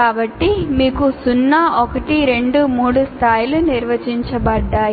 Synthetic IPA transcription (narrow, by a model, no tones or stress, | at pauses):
aːbɐʈːimiːkusunːɐʔɔkɐʈiɾe̞ɳɖumuːɽust̪ʰaːjluniɾʋɐd͡ʒiɲt͡ʃɐbɐɖːaːj